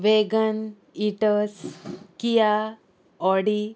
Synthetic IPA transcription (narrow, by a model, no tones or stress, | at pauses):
ʋeɡən | iʈəskija | ɔɽi